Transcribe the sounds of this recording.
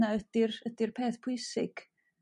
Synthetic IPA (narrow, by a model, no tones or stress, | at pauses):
aəd̥ɪrədɪrpʰeːθpʰʊjsɪ̰ɡ̥